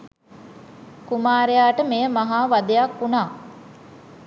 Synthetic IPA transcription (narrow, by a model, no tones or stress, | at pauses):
kumaːɾejaːʈəmejəmaɦaːʋad̪ejakːunaː